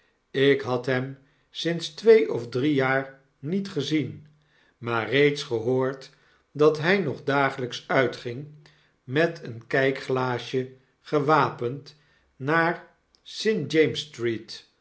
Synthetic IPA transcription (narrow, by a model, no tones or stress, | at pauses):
ɪkɦɑtɦɛm | sɪnstʋejʔɔvdrijaːɹ | nitχəzin | maːrejtsχəɦoːɹt | dɑtɦɛjnɔχdaːχələksœɥtχɪŋ | mɛtʰənkɛjkχlaːʃə | χəʋaːpənt | naːɹ | sɪnd͡ʒejmstrit